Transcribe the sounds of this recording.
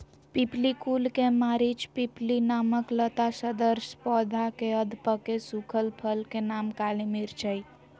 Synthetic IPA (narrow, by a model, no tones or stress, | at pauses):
piplikulkemaɾit͡ʃpiplinaməklət̪asəd̪əɾspɔd̪ʱakeəd̪ʱpəkesukʰəlpʰəlkenamkalimiɾt͡ʃʰəj